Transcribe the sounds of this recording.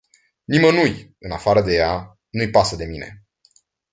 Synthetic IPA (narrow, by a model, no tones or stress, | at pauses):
nimənujɨnafaɾəd̪e̞ja | nujpasəd̪e̞mine̞